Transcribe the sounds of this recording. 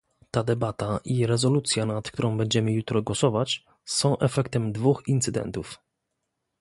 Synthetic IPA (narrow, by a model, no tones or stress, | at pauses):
t̪ad̪ɛbat̪aʔiɾɛzɔlut̪sʲjanat̪kt̪uɾɔ̃w̃bɛɲd͡ʑɛmɘjut̪ɾɔɡwɔsɔvat͡ɕ | sɔ̃w̃ʔɛfɛkt̪ɛmd̪vuxint̪sɘd̪ɛ̰nt̪uf